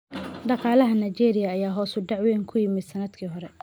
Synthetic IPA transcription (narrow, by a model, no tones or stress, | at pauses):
ɖɑqɑːlɐɦɐnɐt͡ʃɛːɾɪjɐːjaːɦɔːsʊɖɑʕwɛːŋkʰʊjɪmɪd̪sɐnɐd̪kʰiːɦɔɾɛ